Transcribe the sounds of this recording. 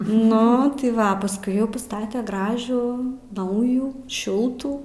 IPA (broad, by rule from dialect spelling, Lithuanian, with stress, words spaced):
ˈnʊ tɐɪ ˈʋɐ pɐsˈkʊɪ ˈjɛʊ pɐˈstɑːtʲɛ ˈɡrɑːʒuː ˈnɐʊjuː ˈʃʲɪlˠtuː